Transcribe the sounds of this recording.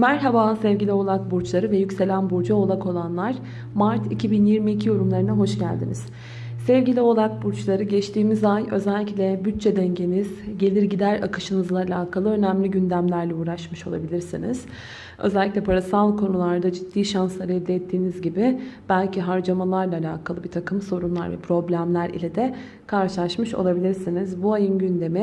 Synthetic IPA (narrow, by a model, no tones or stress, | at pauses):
mæɾɦabaːsɛvɟilʲio̞lˠakbuɾt͡ʃlˠaɾɯvɛjycse̞lʲænbuɾd͡ʒao̞lˠakʰo̞lˠanlˠaɾ̥ | maɾt̪ʰicʰibinjiɾmiːcʰijo̞ɾumlˠaɾɯnaɦo̞ʃɟæ̰lʲd̪iniz̥ | sɛvɟilʲio̞lˠak̚buɾt͡ʃlˠaɾɯɟɛt͡ʃt̪ʰiːmizajø̞̰zɛlʲːiclʲɛbyt̪t͡ʃʰːɛd̪ɛɲɟe̞niz̥ɟe̞lʲiɾɟid̪æɾa̰kʰɯʃɯnɯzlˠaːlʲaːkʰalˠɯø̞næmlʲiɟynd̪æmlʲæɾlʲɛuːɾaʃmɯʃo̞lˠa̰bilʲiɾsinḭz̥ | ø̞̰zælʲːiclʲɛpʰaɾasalˠkʰo̞nulˠaɾd̪ad͡ʒit̪ʰːiːʃanslˠaɾɯɛd̪ːɛɛt̪ʰːiːnizɟibɪb̥ælʲciɦaɾd͡ʒamalˠaɾlˠaːlʲaːkʰalˠɯbit̪ʰakʰɯmso̞ɾunlˠa̰ɾvɛ̰pʰɾo̞blʲæmlʲæɾḭlʲɛd̪ɛ | kʰaɾʃɯlˠaʃmɯʃo̰lˠabilʲiɾsinizbuajɯnɟynd̪e̞mi